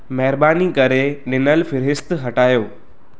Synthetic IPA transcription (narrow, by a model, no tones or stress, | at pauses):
mɛɦɪɾbaːnikɐɾenɪnəlfɪɾɦɪst̪ɦɐʈaːjoː